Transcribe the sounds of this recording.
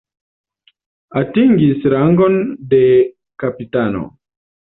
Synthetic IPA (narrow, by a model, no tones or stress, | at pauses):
atiŋɡisɾaŋɡo̞nde | kapitano̰